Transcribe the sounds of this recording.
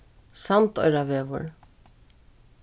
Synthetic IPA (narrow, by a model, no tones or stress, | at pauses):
samt̪ɔ̰jɾavɛːʋʊ̰ɹ